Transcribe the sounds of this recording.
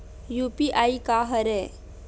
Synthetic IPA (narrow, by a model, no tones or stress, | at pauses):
jupiʔaikaɦəɾe